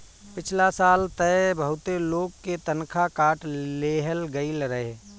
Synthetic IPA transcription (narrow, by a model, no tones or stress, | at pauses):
pɪt͡ʃʰlasaːlt̪ɛbəɦʊt̪eloːɡket̪ənkʰakaːʈleːɦəlɡəilɾəɦe